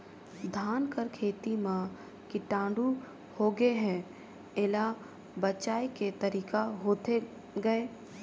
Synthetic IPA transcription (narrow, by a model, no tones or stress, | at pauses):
d̪ʱaːnkəɾkʰeːt̪imã | kiʈãːɳɖu | hoːɡeɦɛ̃ | ɪla | bət͡ʃaːeket̪əɾiːkaɦoːt̪e | ɡəeː